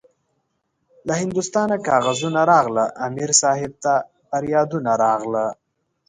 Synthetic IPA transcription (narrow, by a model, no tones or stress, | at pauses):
lahɪnd̪ust̪ɑːnakɑːɣazunaɾɑɣləʔːmiɾsɑːɦɪb̚t̪a | faɾjɑd̪unaɾɑɣlə